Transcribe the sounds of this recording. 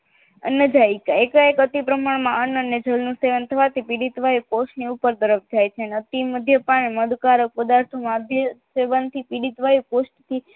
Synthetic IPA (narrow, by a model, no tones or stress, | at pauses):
ənəd͡ʒaikaekaekət̪ipɾəmaɳmãənəned͡ʒəlnũseʋənt̪ʰəʋat̪ipiɽit̪ʋajukosniupəɾd̪əɾəfd͡ʒajt͡ʃʰeənət̪iməd̪ʱjəpaɳ̃eməd̪kaɾək̚pəd̪aɾt̪ʰomãd̪ʱjəseʋənt̪ʰipiɽit̪ʋajukosʈt̪ʰi